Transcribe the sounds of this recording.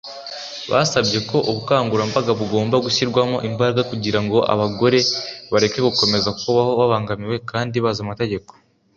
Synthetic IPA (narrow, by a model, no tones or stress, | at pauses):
βa̰sabje̞ko̞ʔuβukaːŋɡuɾambaɡaβuɡo̞ːmbaɡuçiɾɡwamoʔimbaɾɡakuɟiɾaŋɡoʔa̰βaɡo̞ɾe̞βaɾe̞ke̞ɡuko̞me̞zakuβaho̞waβaːŋɡamiwe̞kaːndiβazamate̞ɟe̞ko̞̥